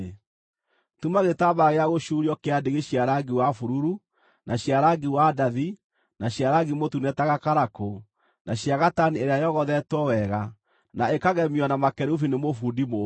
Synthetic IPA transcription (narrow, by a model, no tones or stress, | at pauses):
tumaɣetabaɣeaɣoʃuɾiɔkeadeɣeɕiaɾaɡiwafuɾuɾu | nʔaɕiaɾaɡiwadaði | naɕiaɾaɡimotunɛtaɣakaɾako | naɕjaɣatanieɾeajɔɣɔðɛtwɔwɛɣa | naekaɣɛmiwanamakɛɾufinemofudimo